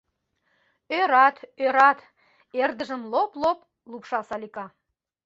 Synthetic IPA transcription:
øɾɑt̪øɾɑt̪ | erd̪əʒəmloplop | lupʃɑsɑlʲikɑ

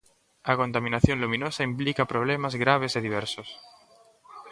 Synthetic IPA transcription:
ako̞nt̪amĩnaθjonlumĩnosaimplikapɾoβ̞lemazɣɾaβ̞eseðiβ̞eɾsos

